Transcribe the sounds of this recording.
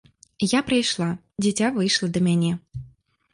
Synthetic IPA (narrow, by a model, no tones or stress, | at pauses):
japɾəjʃlˠɑ | dʲetʲavɨjʃlˠəd̪əmʲænʲe